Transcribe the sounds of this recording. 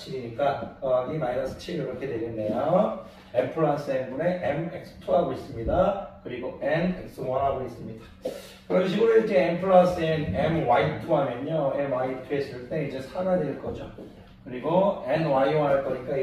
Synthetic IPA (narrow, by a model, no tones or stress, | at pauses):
t͡ɕʰiɡiɲik͈akʌɡinajɾasʰɯ̥t͡ɕʰiɾiɾʌkʰe̞de̞ɾinːe̞jo | empʰɯɭas͈ʰɯenbune̞ʔemek̚sʰɯ̥tʰoɦaɡois͈ɯmɲidakɯɾiɡoʔenek̚s͈ʰɯwaɾɦaɡois͈ɯmɲidḁ | kɯɾʌnɕ̬ʰiɡuɾuikʰeempʰɯɭasʰɯenemwaitʰɯɦamjʌɲoemwaitʰues͈ɯɭt͈e̞id͡ʑe̞sʰaɾadeɭk͈ʌd͡ʑo | kɯɾiɡoenwaiwaɦaɭk͈ʌɲik͈a